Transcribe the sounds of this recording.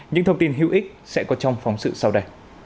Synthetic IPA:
ɲɨ̰˧˥ŋt̪ʰə˧wŋ͡mt̪i˧nɦḭ˧˥əwʔi˦˥k̟̚sɛ̰˧˥kɔ˨˦t͡ɕɔ˧wŋ͡mfɔ˨˦wŋ͡msɨ̰˧˨sa˧wɗə˧j

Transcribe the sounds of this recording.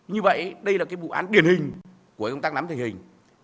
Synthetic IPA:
ɲɨ˧və̰˧˨jɗə˧jlaː˨˩kaː˨˦jɓṵ˧˨ʔa̰ː˨˦nɗi˨˩ənhï˨˩ŋ̟ | ku˧˩ə˨kə˧wt̪aː˧˥knaː˨˦mt̪ʰi˨˩ŋhï˨˩ŋ̟

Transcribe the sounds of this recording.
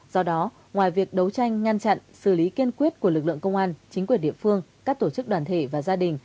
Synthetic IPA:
z̥ɔ˧ɗɔ˨˦ | ŋwaː˨˩jvi˨˩ək̚ɗə˨˦wt͡ɕa˧jŋ̟ːa˧nt͡ɕa̰˧˨nsɨ˧˩li˨˦ki˧ənkwi˦˥ət̚ku˧˩əlɨ˨˩lɨ̰˧˨əŋkə˧wŋ͡mʔaː˧nt͡ɕï˨˦ŋ̟kwi˨˩ənɗḭ˧˨əfɨ˧əŋkaː˦˥k̚t̪o˧˩t͡ɕɨ˦˥k̚ɗwaː˨˩nt̪ʰe˧˩vaː˨˩zaː˧ɗï˨˩ŋ̟

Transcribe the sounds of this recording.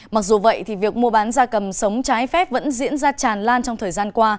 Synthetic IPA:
ma˨˩k̚zu˨˩və̰˧˨jt̪ʰi˨˩vi˨˩ək̚mu˧əɓaː˨˦nzaː˧kə˨˩msə˨˦wŋ͡mt͡ɕaː˨˦jfɛ˦˥p̚və̰˧˥nzḭ˧˥ənzaː˧t͡ɕaː˨˩nlaː˧nt͡ɕɔ˧wŋ͡mt̪ʰəː˨˩jzaː˧nkwaː˧

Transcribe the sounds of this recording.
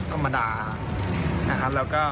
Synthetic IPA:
t̪ʰa˧mːa˧daː˧ | na˦˥kʰa˦˥lɛː˦˥wkɔː˥˩

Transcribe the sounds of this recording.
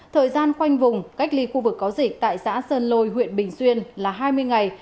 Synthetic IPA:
t̪ʰəː˨˩jzaː˧nxwa˧jŋ̟vʊ˨˩ŋ͡mka˦˥k̟̚li˧˩xu˧vɨ˨˩kːɔ˨˦wzï˨˩k̟̚t̪a̰ː˧˨jsa̰ː˧˥səː˧nlo˧jɦwḭ˧˨ənɓï˨˩ŋ̟swi˧ənlaː˨˩ɦaː˧jmɨ˧əjŋa˨˩j

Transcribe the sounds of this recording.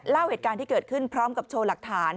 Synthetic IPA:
laː˥˩wheː˨˩t̪̚kaː˧nt̪iː˥˩kɤː˨˩t̪̚kʰɯ˥˩npʰɾɔː˦˥mka˨˩p̚t͡ɕʰoː˧la˨˩k̚t̪ʰaː˩˦n

